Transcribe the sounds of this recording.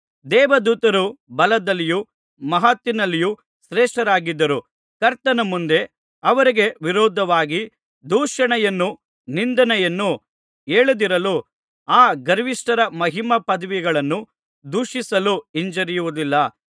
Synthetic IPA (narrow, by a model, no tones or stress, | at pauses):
d̪ɛːʋɐd̪uːt̪ɐɾubɐlɐd̪ɐlːiju | mɐɦat̪ːinɐlːiju | sɾɛːʂʈɐɾaːɡid̪ːɐɾu | kɐɾt̪ɐnɐmund̪e̞ | ɐʋɐɾiɡe̞ʋiɾɔːd̪ʱɐʋaːɡi | d̪uːʂɐɳɛjɐnːu | nind̪ɐnɛjɐnːu | eːɭud̪iɾɐlu | aːɡɐɾʋiʂʈɐɾɐmɐɦimɐpɐd̪ɐʋiɡɐɭɐnːu | d̪uːʂisɐluiɲd͡ʒɐɾijuʋud̪ilːɐ